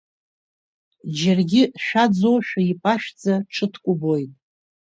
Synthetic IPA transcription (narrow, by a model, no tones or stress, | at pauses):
d͡ʒarɡʲɪʃᶣad͡zowʃᶣaipʼaʃᶣd͡zaʈ͡ʂʰɨtʰkʷʼʊbo̞jtʼ